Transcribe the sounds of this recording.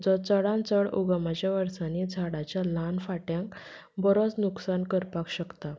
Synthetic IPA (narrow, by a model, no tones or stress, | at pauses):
d͡zɔt͡səɽãnt͡səɽṵɡəmat͡ɕjaʋəɾsanid͡zʱaɽat͡ɕjalanfaʈjãŋk | bəɾot͡snuksankəɾpakɕəkt̪a